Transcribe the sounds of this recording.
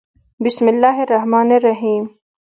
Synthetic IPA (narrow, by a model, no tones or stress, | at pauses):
bɪsmɪlːaːɦeɾːɐɦmaːnerːɐɦiːm